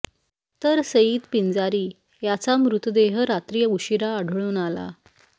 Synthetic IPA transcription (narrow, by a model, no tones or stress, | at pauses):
t̪əɾsəiːt̪pind͡zaɾiː | jat͡samɾut̪d̪eɦəɾat̪ɾijəuɕiɾaəɽʱɭuːnala̰